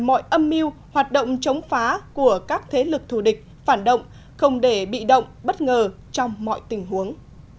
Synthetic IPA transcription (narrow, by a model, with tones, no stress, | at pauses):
mɔ̰˧˨jʔə˧mːi˧əw | hwaː˨˩t̚ɗə̰˧˨wŋ͡mt͡ɕə˨˦wŋ͡mfaː˨˦ku˧˩əkaː˦˥k̚t̪ʰe˨˦lɨ˨˩k̚t̪ʰu˧˩ɗï˨˩k̟̚faː˧˩nɗə̰˧˨wŋ͡m | xə˧wŋ͡mɗe˧˩ɓḭ˧˨ɗə̰˧˨wŋ͡mɓə˦˥t̚ŋəː˨˩ | t͡ɕɔ˧wŋ͡mmːɔ̰˧˨jt̪ï˧˩ŋ̟ɦu˨˦əŋ